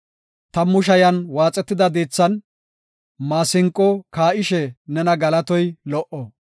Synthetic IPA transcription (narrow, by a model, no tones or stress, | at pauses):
t̪ɐmʊʃ̬ɐjɐnwaːt͡sʼːɛt̪ːɪd̪ɐd̪eːt͡sːɐn | maːsɪŋkʼːɔkaːʔɪʃɛnɛnɐɡɐlɐt̪ɔjlɔʔɔ